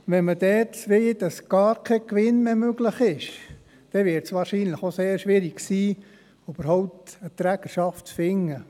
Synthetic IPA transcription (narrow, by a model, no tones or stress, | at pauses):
ʋɛnmədɛːtʋeɪd̥ɑsɡ̥ɑːɾkʰɛkʋɪnmemøɡlɪχɪʃ | d̥ɛʋɪɾtsʋɑːɾʃiːnləχoseːɾʃʋɪɾiɡ̥siː | yb̥əɾhɔʊpt̪ət̪ɾæɡ̥əʃɑftt͡sfɪŋːə